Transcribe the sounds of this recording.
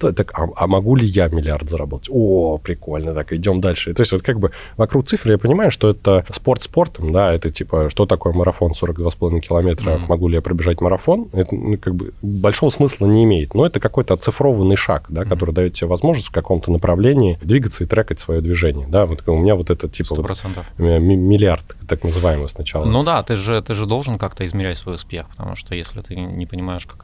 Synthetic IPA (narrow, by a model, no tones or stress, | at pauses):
t̪ot̪aka̰ɐmɐɡulʲɪjamʲɪlʲɪart̪zəɾɐbo̞t̪ətʲopɾʲɪko̞lʲnət̪akɨɪdʲo̞md̪alʲʂɨt̪o̞eɪsʲt̪ʲvot̪kaɡ̚bɨ | vɐkɾuk̚t̪sɨfɾɨjapənʲɪmajʊʂt̪o̞ɛt̪əspo̞rt̪spo̞rt̪əmd̪aɛt̪ətʲipəʂt̪ot̪ɐko̞jəməɾɐfo̞nso̞ɾəɡd̪vaspɐlˠɐvʲinəkʲɪlˠɐmʲe̞t̪ɾəmɐɡulʲɪjapɾəbʲɪʐatʲməɾɐfo̞nɛt̪ə̰nukaɡ̚bɨ̰bɐlʲʂo̞vəsmɨslˠənʲɪɪmʲejɪt̪noɛt̪əkɐko̞jt̪əɐt̪sɨfɾo̞vənːɨjʂa̰kd̪akɐt̪o̞ɾɨjd̪ɐjo̞t̪tʲːɪbʲevɐzmo̞ʐnəsʲt̪ʲfkɐko̞mt̪ənəpɾʔɐvlʲenʲɪɪd̪vʲiɡət̪səɪt̪ɾʲakətʲsvɐjo̞d̪vʲɪʐɛnʲɪjəd̪avot̪ʊmɪnʲavo̞t̪ɛt̪ətʲippəvop̪t̪ʲɪmʲɪlʲɪart̪t̪aknəzɨvajɪməsnɐt͡ɕalˠənod̪at̪ɨʐɨt̪ɨʐɨd̪o̞lˠʐənkakt̪əɪzmʲɪɾʲɛtʲsvo̞jʊspʲe̞xpət̪ɐ̰mṵʂt̪ojesʲlʲɪ̰t̪ɨnʲɪpənʲɪmajɪʂkḁk